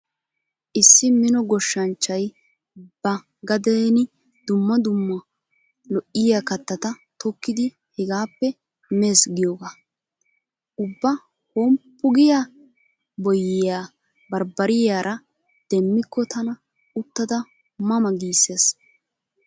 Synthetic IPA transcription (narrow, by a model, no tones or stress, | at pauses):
ʔɪsːɪmɪnɔɡɔʃːɐnt͡ʃːɐj | b̥ɐ | ɡɐd̪eːnɪ | d̪̥ʊmːɐd̪ʊmːɐ | lɔʔɪjakɐt̪ːɐt̪ɐt̪ɔkːɪd̪ɪ | hɛɡaːpːɛ | meːsɡɪjoːɡaː | ʔʊbːɐ | hoːmpːʊɡɪjaː | bɔjɪjaː | bɐɾbɐɾɪjaːɾʔɐ | d̪̥ɛmːɪkːɔt̪ʰɐnɐ | ʊt̪ːɐd̪ɐ | mɐmɐɡiːsːeːs